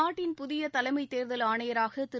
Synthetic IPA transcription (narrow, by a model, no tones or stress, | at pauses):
aːʈːɪnpʊðɪjɐt̪ɐlɐɪmɐɪt̪ːeːɾðɐlaːɳɐjɐɾaːɣɐt̪ɪ